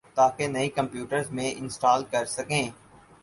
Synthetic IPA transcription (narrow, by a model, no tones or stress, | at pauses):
t̪aːkenɐĩkɐ̃mpjuːʈəɾzmẽʔɪ̃nsʈaːlkɐɾsɐkẽː